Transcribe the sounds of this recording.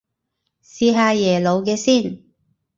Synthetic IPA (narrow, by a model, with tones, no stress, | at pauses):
siː˧ɦaː˧jɛː˨˩lo˨˧wkɛː˧siː˥˩n